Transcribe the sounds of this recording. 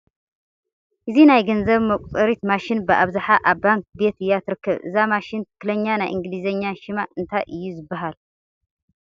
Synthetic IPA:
ʔɨzinajɡɐnzɐβmɐkʷʼt̪ʼɨɾit̪maʃɪnbɨʔaβzaħaʔaβːaŋk̚be̞t̪ɨjːat̪ʰɨɾɨkːɐβʔɨ̰zamaʃɪnt̪ʰɨ̥kʰːlɐɲːanajʔɨŋɡɨlizɐɲːaʃimaʔɨnt̪ʰajʔɨjːuzɨbːaɦal

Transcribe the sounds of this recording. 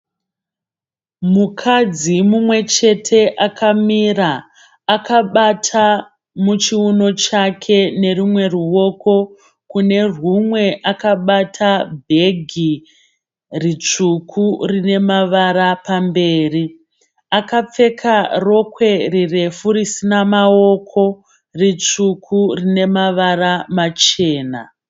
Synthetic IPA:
mukʰad͡zimumwe̞t͡ʃe̞tʰe̞ʔakʰamiraː | kaɓatʰa | mut͡ʃiuno̞t͡ʃakʰe̞ne̞rumwe̞ruwo̞ko̞ | kune̞rwumwe̞ʔakaɓatʰabʱe̞ɡʱi | rit͡ʂukʰurine̞maʋaɾapambe̞ːri | akap͡fe̞kʰaro̞kwe̞rire̞fuɾisinamao̞kʰo̞ | rit͡ʂukʰurine̞maʋaramat͡ʃe̞ːna̰

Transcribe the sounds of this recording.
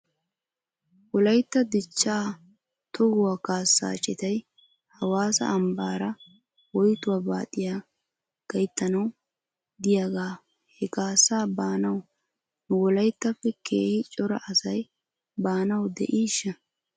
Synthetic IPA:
wɔlɐjt̪ːɐd̪ɪt͡ʃːaː | t̪ʰɔhʊwaːkaːsːa̰ːt͡ʃʼɪt̪ɐj | hɐwaːsɐ̰ʔɐmbaːɾɐ | wɔjt̪ʊwaːba̰ːt̪ʼːɪjaː | ɡ̥ɐjt̪ːɐnɐw | d̪ɪjaɡaː | hɛkaːsːaːbaːnɐw | nʊwɔlɐjt̪ːɐfːɛkʰeːhɪt͡ʃʼɔɾɐ̰ʔɐsɐj | baːnɐwd̪ɛ̰ʔiːʃːɐ

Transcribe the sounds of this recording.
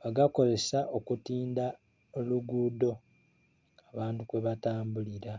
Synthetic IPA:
βaɡako̞ze̞saʔo̞kutiːnda | oluɡuːdo̞ | aβaːntukweβataːmbuliɾa

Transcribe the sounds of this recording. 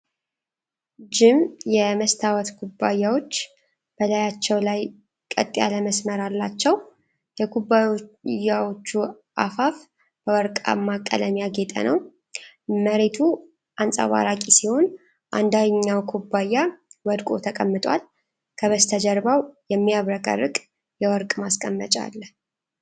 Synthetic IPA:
d͡ʒɪmjɛməst̪ʰawɔt̪kʰubːajːawo̞t͡ʃː | b̥əlajat͡ʃːɛwlaj | kʼə̰t̪ʼːja̰ləməsməɾalːat͡ʃːɛw | jɛɡubːajawot͡ʃːu | ʔa̰faf | b̥əwɔɾkʼa̰mːakʼːə̰ləmjaɡet̪ʼə̰nəw | məɾet̪ʰu | ʔansʼa̰βa̰ɾakʼisiho̞n | ʔand̪aɲːawkʰubːajːawɔd̪kʼo̞̰t̪ʰəkʼəmːɨt̪ʼwa̰l | kʰəβəst̪ʰəd͡ʒəɾbawjɛmːijaβɾəkʼə̰ɾːɨkʼ | jɛwɔɾkʼmaskʼəmːət͡ʃʼa̰lː

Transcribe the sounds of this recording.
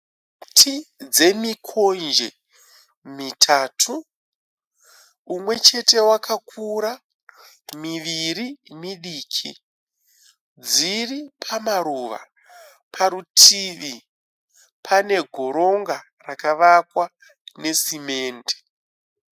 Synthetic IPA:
tʰid͡ze̞mikʰo̞nd͡ʒḛ | mitʰaːtʰu | mwe̞t͡ʃe̞te̞wakakʰuɾa | miʋiɾimiɗiːkʰi | d͡ziripʰamaɾuʋa̰ | pʰaɾutʰiʋi | pʰane̞ɡʱo̞ɾo̞ŋɡa | rakaʋakwa | ne̞sime̞ːnde̥

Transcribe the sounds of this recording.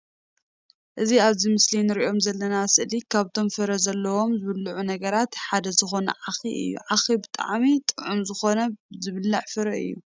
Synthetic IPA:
ʔɨziaβzimɨslinɨɾiʔo̞mzɐlːɐnasɨʔlikʰaβt̪ʰo̞mfɨɾɐzɐlːɐwo̞mzɨβɨlːuʕunɐɡɐɾat̪ħad̪ɐzɨxo̞nɐ̰ʕaxiʔɨ̰jːṵʕaxibɨt̪ʼa̰ʕmit̪ʼɨʕumzɨxo̞nɐzɨβɨlːaʕfɨɾɐɨ̰jːu

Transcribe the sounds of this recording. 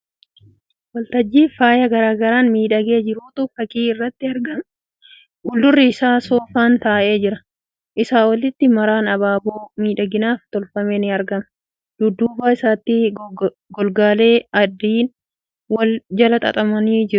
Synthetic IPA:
wɐlt̪ɐd͡ʒːiːfaːjɐɡɐɾaːɡɐɾaːnmiːᶑɐɡe̞ːd͡ʒɪɾuːt̪ʊfɐkʼiːɪrːɐt̪ːɪɐɾɡɐm | ʊld̪ʊrːɪːsaːsoːfaːnt̪aːʔe̞ːd͡ʒɪɾɐ | ʔɪsaːwɐlɪt̪ːɪmɐɾaːnɐbaːboːmiːᶑɐɡɪnaːft̪ɔlfɐmeːnɪɐɾɡɐmɐ | d̪̥ʊd̪ːuːbaːɪsaːt̪ːɪ | ɡɔlɡaːleːɐd̪ːiːn | wɐld͡ʒɐlɐt̪ʼɐ̰t̪ʼɐmɐniːd͡ʒɪɾʊ

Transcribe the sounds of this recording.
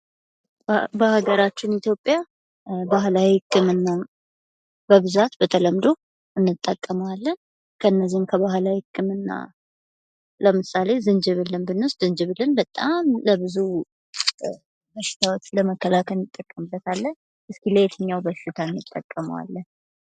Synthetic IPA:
bəhaɡəɾat͡ʃːɪnit̪ʰjo̞pʼːja | baɦlawiɨkʼːɨmɨnːa | bəβɨzat̪bət̪ʰələmd̪o̞ | ʔɨnːɨt̪ʼːəkʼːəməwalːən | kʰəɨnːəzihmkʰəβaɦlawikʼːɨmɨnːa̰ | ləmɨsale̞zɨnd͡ʒɨβɨlːɨnbɨnːəszɨnd͡ʒɨβɨlːɨnbət̪ʼamləbɨzu | məʃɪ̥t̪ʰawot͡ʃːləməkːəlakʰəlnɨt̪ʼːəkʼːəmɨbːət̪ʰalːən | ʔɨskiləjɛt̪ʰɨɲːawbəʃɪt̪ʰaɨnːɨt̪ʼːəkʼːəmə̰wa̰lːən

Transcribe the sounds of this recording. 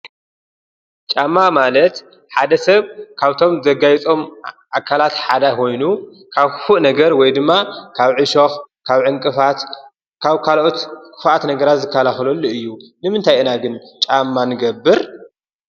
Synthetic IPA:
t͡ʃʼamːamalɐt̪ | ħad̪ɐsɐβkʰaβt̪ʰo̞mzɐɡajt͡sʼo̞mʔakʰːalat̪ħad̪ako̞jnu | kʰaβkfuʔnɐɡɐɾwɔjd̪ɨmːakʰaβʕɨʃox | kʰaβʕɨŋkʼɨfat̪ | kʰaβkʰalʔot̪kʰʼɨ̥fʔat̪nɐɡɐɾat̪zɨkʰːɐlaxlolːuɨjːunɨmɨnt̪ʰajʔɨnaɡɨnt͡ʃʼamːanɨɡɐbːɨɾ

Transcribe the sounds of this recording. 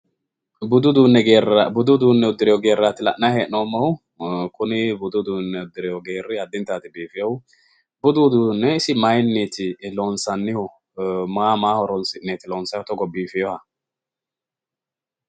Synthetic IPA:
bʊd̪ʊd̪uːnːɛɡeːrabʊd̪ʊd̪uːnːɛʊd̪ɪɾɛjɔɡeːɾːat̪ɪlɐʔnahɛːʔnoːmːɐw | kʊnɪbʊd̪ʊd̪unːɛʊd̪ɪɾɛjɔɡeːrːɪɐd̪ːɪnt̪aːt̪ɪbiːfɪjɔw | bʊd̪ud̪uːnːɛɪsɪmajnːet̪ɪloːnsɐnːɪhɔ | maːmaːhɔɾɔnsɪnːeːt̪ɪloːnsɐjɔt̪ɔɡɔbiːfɪjɔhɐ

